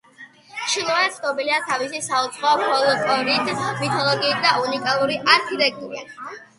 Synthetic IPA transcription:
ʃilˠɔvanɛt̪sʰnɔbiliat̪ʰavisisaut̪sʰχɔɔpʰɔlˠɔkʼɔɾit̪ʰmit̪ʰɔlˠɔɡiːt̪̚ʰd̪aunikʼalˠuɾiʔaɾkʰit̪ʼɛk̚ʰt̪ʼuɾḭ

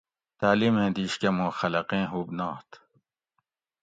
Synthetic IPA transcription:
t̪aːlimẽːd̪iːɕkɐmõːxɐlɐqẽːɦuːbnaːt̪

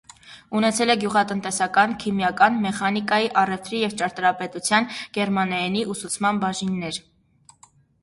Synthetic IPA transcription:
unɛt͡sʰɛlɛɡjuʁɑt̪ənt̪ɛsɑkɑnkʰimjɑkɑnmɛχɑnikɑjiʔɑrɛft̪ɾijɛvt͡ʃɑɾt̪ɾɑpɛt̪ut͡sʰjɑnɡ̥ɛɾmɑnɛɛniʔusut͡sʰmɑnbɑʒinːɛɾ

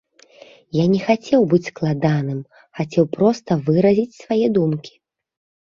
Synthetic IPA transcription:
janʲɛxat͡sʲɛwbɨt͡sʲsklˠad̪anɨm | xat͡sʲɛwpɾɔst̪ɐvɨɾɐzʲit͡sʲsvajɛd̪umkʲi̥

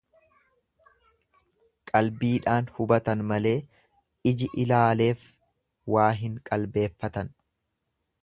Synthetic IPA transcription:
kʼɐlbiːᶑaːnhʊbɐt̪ɐnmɐle̞ː | ɪd͡ʒɪʔɪlaːle̞ːf | waːɦɪŋkʼɐlbe̞ːfːɐt̪ɐn

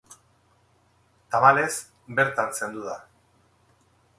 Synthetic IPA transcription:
t̪aβale̞s | be̞ɾt̪anse̞nd̪uða

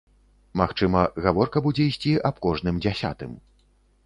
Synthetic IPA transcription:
maxt͡ʂɨmɐɣavɔrkɐbud͡zʲɛisʲt͡sʲiʔapkɔʐnɨmd͡zʲasʲa̰t̪ɨ̰m

